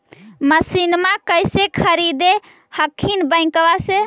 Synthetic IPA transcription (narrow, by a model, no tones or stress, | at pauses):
məsinmakəjsekʰəɾid̪e | həkʰːinbə̃ɪ̃kbase